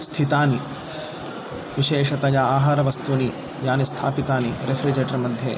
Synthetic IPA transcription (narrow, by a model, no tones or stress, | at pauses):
st̪ʰit̪aːni | ʋiʃeːʃɐt̪ɐjaaːɦaːɾɐʋɐst̪uni | jaːnist̪ʰaːpit̪aːniɾefʰɾid͡ʒeːʈɐɾmɐd̪ʱjḛ